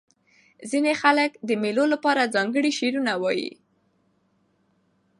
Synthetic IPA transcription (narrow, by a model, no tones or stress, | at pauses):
zinexaləkd̪əmelolapɑɾazɑŋɡəɽiʃeɾunawɑjḭ